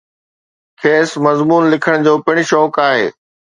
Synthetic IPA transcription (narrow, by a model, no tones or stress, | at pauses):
kʰeːsmɐzmuːnlɪkʰəɽ̃d͡ʑoːpɪɽ̃̆ʃɔːkaːɦḛː